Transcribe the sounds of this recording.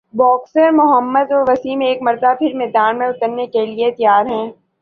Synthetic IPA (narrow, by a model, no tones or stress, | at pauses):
bɔːksəɾmʊɦəmːəd̪oʋɐsimẽeːkmɐɾd̪apʰɪɾmɛːd̪aːnmẽʊt̪əɾnekeliet̪jaːɾɦɛ̃ː